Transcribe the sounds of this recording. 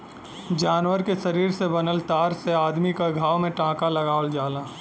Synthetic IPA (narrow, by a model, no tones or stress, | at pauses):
d͡ʒaːnʋəɾkeʃɐɾiːɾsebɐnəlt̪aːɾseaːd̪mikaɡʱaːwmẽʈãːkalɐɡaːld͡ʒaːlaː